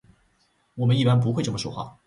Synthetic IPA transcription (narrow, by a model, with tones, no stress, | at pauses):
wɔ˨˩mə˦ni˥˩pa˥np̬u˧˥xwɪʈ͡ʂmə˩ʂo˥ʊxwa̰˥˩